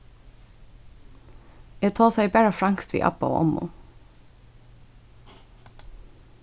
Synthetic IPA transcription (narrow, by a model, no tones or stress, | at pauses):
jeːt̪ʰɑːsæɪbæɹɑfɽɑŋkst̪ʋḭːʔɑ̰pɑo̰ːʔɔ̰mṵ